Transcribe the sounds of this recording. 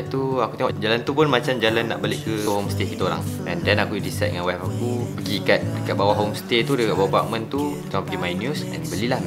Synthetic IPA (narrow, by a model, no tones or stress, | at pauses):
t̪uakut̪eŋɦɔʔd͡ʒalant̪upʊnmãt͡ʃamd͡ʒalanːa̰ʔbalɪʔkəɦomst̪ekit̪əoɾa̰ŋ | ɛndɛnakuidisɛ̰t̪̚də̰ŋanwɛpakupəɡikat̪̚dəkaʔ̚bawaʔɦomst̪et̪udəkaʔ̚bawapa̰ʔ̚mə̃nt̪ut̪eŋɔpəɡimajnjusɛ̰nbəlilah